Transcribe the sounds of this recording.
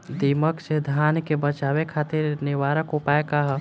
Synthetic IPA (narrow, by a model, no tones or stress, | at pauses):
d̪iːməksed̪ʱaːnkebət͡ʃaːwekʰaːt̪ɪɾnɪʋaːɾəkopaekaɦ